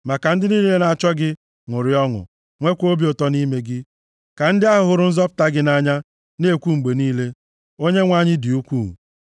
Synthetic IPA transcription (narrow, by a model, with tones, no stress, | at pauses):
ma˨ka˨n̩˦dɪ˦niː˦le˦na˨t͡ʃɔ˦ɡɪ˦ | ŋʊ˨ɾɪ˨ɔ˦ŋʊ̰˨ | ŋʷe˦kʷo˦bi˦ʊ˨tɔ˦ni˦me˦ɡɪ˦ | ka˨n̩˦dɪ˦a˦ɦʊ˨ɦʊ˨ɾʊ˨˦n̩˦zɔ˦pʊ̥˦˨ta˦ɡɪ˦na˦ɲa˦ | ne˦kʷu˦ŋ͡m̩˨ɡ͡be˨niː˦le˦ | o˦ɲe˦ŋʷa˦ɲɪ˦dɪ˨u˦kʷu˦˨